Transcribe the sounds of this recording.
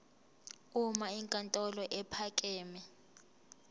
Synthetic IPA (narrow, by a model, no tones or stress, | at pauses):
umaiŋkʼantʼɔlɔʔɛpʰakʼɛːmɛ